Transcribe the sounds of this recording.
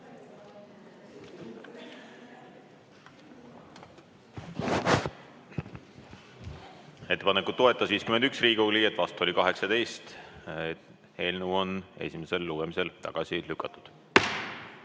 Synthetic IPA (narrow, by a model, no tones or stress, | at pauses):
e̞t̪ːe̞pɑnekːˑut̪t̪ːo̞e̞t̪ːˑɑsviːskymend̪yksriːɡulie̞t̪ːˑvɑst̪uo̞lʲikɑɦe̞ksɑt̪e̞jst̪e | he̞ːlnuo̞ne̞̰sʲimese̞lːuɡ̥emise̞lt̪ɑ̰ɡ̥ɑsilykːˑɑt̪ːˑu̥d̪̥